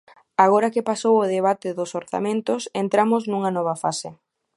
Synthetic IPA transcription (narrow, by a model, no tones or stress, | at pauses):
aɣ̞ɔɾɐkepasowʊðeβat̪ɪðʊsoɾθa̰mẽnt̪ʊsent̪ɾamʊsnuŋɐnɔβ̞ɐfasɪ